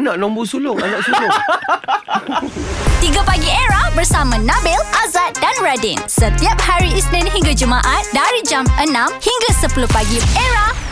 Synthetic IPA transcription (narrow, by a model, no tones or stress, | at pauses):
nãʔlɔmbusulʊŋanãʔsulʊ | t̪iɡapaɡieɾahbərsamãnãbɪlʔazat̪̚danɹadinsət̪iap̚haɾiisnɛ̃nɦiŋɡad͡ʒumãʔat̪̚daɾid͡ʒamʔənãmhiŋɡasəpuluhpaɡieɹah